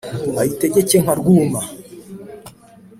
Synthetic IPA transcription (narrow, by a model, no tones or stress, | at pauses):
aiteɟecem̥aɾɡuma